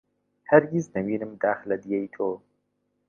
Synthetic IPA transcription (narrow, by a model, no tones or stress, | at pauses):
hɐɾɡiznɐmiːnɨmd̪aːxlɐd̪ijɛjt̪ʰoː